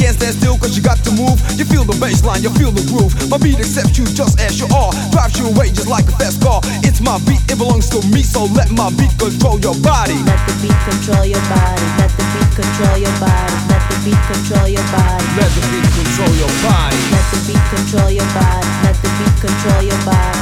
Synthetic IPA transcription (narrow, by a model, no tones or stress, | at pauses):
ɡ̥æ̃nsðɨstɪlˠkʌzjɨɡɑtʰəmuvjɨfilˠðəbeɪslãɪ̃njɨfilˠðəɹufmaɪbiɾɨksɛp̚t͡ʃɨd͡ʒʌstɨzjəʔɑɹ | d̥ɹaɪv̥t͡ʃəəweɪd͡ʒʌstˡlaɪk̚əfɛs̚kʰɔɹ | ɪtsmaɪbiɾɨt̚b̥əlɔ̃ŋz̥tʰəmisoʊlɛt̚maɪbit̚kə̃ntʰɹ̥oʊlˠjə˞bɑɾilɛt̪̚ðəbit̚kɨ̃ntʰɹ̥oʊlˠjə˞bɑɾilɛt̪̚ðɨit̚kntʰɹ̥oʊlˠjə˞bɑɾilɛt̪̚ðibit̚kɨ̃ntʰɹ̥oʊlˠjə˞bɑɾilɛt̪̚ðɨbit̚kʰɨ̃ntʰɹ̥oʊlˠjə˞bɑɾilɛt̪̚ðɨbit̚kɨ̃ntʰɹ̥oʊlˠjə˞bɑɾilɛt̪̚ðɨbit̚kɨ̃ntʰɹ̥oʊlˠjə˞bɑɾi